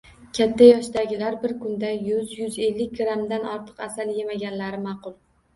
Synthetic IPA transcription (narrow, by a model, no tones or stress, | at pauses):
kʲʰat̪ʰːajɒʃd̪aɡʲɪlaɾbɪɾkʰʊnd̪ajʊzjʊze̞lːɪk̚ʲɡɾamd̪anɒɾt̪ʰɨ̥qasalje̞maɡʲanlaɾɪmɑqʊlˠ